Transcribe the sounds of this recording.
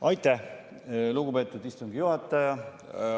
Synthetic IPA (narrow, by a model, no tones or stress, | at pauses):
ʔɑjt̪ːˑæh | luɡupe̞ːt̪ːˑud̪ist̪uŋɡ̥ijuɦhɑt̪ːˑɑjɑ